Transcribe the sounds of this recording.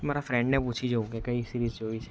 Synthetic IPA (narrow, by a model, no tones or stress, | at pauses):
maːɾafɾɛ̃ɳɖnẽp̬uːt͡ʃʰid͡ʒoũkekəisiɾizd͡ʒoːit͡ʃʰɛ